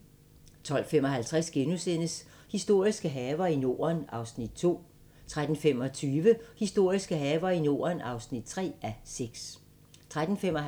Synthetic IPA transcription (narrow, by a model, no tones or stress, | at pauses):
t͡sʰɒ̽l̰femɒ̽ɦælt͡sʰʁasɡ̥enusen̰əs | hisd̥o̝ɐ̰isɡ̥əɦɛːʊɐino̝ːɐnɑ̈ʊsnid̥̚t͡sʰo̝̰ː | t͡sʰʁad̥n̩fem̰ɒ̽t͡sʰyːʋəhisd̥o̝ɐ̰isɡ̥əɦɛːʋɐino̝̰ːɐnɑ̈ʊsnid̥̚t͡sʰʁɛ̰ːæseɡ̥s | t͡sʰʁad̥n̩fem̰ɒ